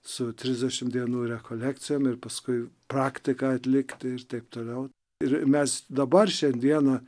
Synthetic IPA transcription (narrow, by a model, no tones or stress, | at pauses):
sʊt̪ʲɾʲɪzʲd̪ʲɛʃʲɪmd̪ʲiɛnuːɾʲɛkoːlʲækt̪sʲɪjoːmɪɾpɐskʊɪpɾɑːkt̪ʲɪkɑɐt̪ʲlʲɪkt̪ʲɪɪɾt̪ɐɪpt̪oːlʲɛʊ | ɪɾmʲɛsd̪ɐbɐrʃʲɛnʲd̪ʲiɛnɐ